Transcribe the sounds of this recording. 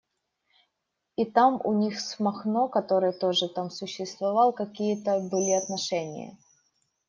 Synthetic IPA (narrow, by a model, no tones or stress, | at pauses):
it̪amʔʊ̰nʲixsmɐxno̞kɐt̪o̞ɾɨjət̪o̞ʐɨt̪amsʊɕːɪst̪vɐvɑlˠkɐkʲijət̪əbɨlʲiɐt̪nɐʂɛnʲɪ̰jə̰